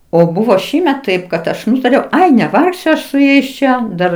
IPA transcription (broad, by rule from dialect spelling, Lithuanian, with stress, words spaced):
oː ˈbʊʋoː ˈʃʲiːmʲɛt ˈtɐɪp kɐt ˈɐʃ ˈnʊtɐrʲɛʊ ˈɐɪ nʲɛˈʋɐrksʲʊ ˈɐʃ sʊ ˈjɛɪs ˈt͡ʃʲɛ ˈdɐr